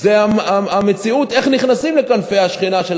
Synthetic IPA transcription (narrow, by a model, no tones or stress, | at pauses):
zeaaame̞t͡siut̪e̞χniχnasimle̞kanfe̞aʃχinaʃe